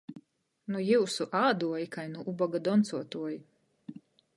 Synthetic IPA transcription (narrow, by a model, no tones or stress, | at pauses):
nujiwsuʔaːd̪uɔjikajnuʔubɔɡad̪ɔnt̪suɔt̪uɔji